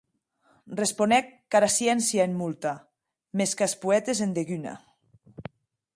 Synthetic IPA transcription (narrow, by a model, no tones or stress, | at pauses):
responɛkːaɾasjɛnsjaemmulˠt̪a | meskaspuɛt̪ezend̪eɣyna̰